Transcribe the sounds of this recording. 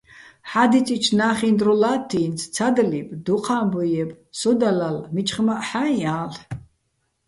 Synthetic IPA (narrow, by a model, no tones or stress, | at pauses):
ħad̪it͡sʼit͡ʃʰnaːχind̪rulat̪ʰːiːnt͡sʰt͡sʰad̪libʼd̪uqʰaːmbujɛb | sɔd̪alalmit͡ʃʼχmaʔħaaːl